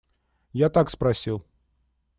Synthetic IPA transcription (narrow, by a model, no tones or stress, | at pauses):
jat̪akspɾɐsʲilˠ